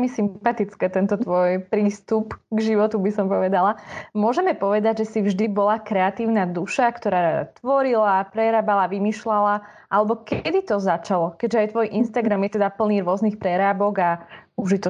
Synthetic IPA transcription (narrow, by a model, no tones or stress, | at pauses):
ɛmisimpat̪it͡skɛt̪ɛnt̪ɔt̪ʋɔjpɾiːst̪upɡʒiʋɔt̪ubisɔmpɔʋɛd̪alamʊɔʒɛmɛpɔʋɛd̪aɟʒɛsivʒd̪ibɔlakɾɛat̪iːʊnad̪uʃakt̪ɔɾaːɾad̪a̰t̪ʋɔɾilapɾɛɾaːbalaʋimiːʃlala | ʔalɛbɔkɛd̪it̪ɔzat͡ʃalɔkɛʒɛajt̪ʋɔjʔinst̪aɡɾamjɛt̪ɛd̪apl̩niːɾʊɔznixpɾɛɾaːbɔɡauʒit̪ɔ